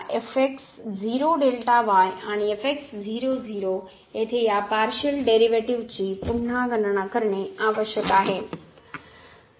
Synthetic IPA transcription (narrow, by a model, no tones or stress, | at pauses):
ʔefeksziːɾoɖeːlʈaʋaːaːɽ̃eefeksziːɾoziːɾo | et̪ʰejapaːɾʃəlɖeːɾiʋeːʈiʋd͡ʑiːpʊnnãɡɐ̃nəɽ̃akɐɾəɽ̃eaːʋəʃjəkaːɦeː